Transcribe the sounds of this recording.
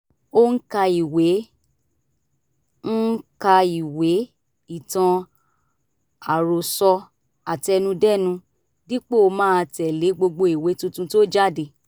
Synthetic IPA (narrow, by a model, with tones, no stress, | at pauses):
o˧ŋ̩˦ka˧i˨we˨˦ | n̩˦ka˧i˨we˨˦ | i˦˨tã˧ | a˨ɾo˨sɔ˧ | a˨ti˧ɛ˧nũ˧dɛ˦˨nũ˧ | di˦k͡pe˦o˧mãː˦˧tɛ˨le˨˦ɡ͡bo˧ɡ͡bo˧i˨we˨˦tũ˧tũ˧to˦d͡ʒa˦˨di˧˨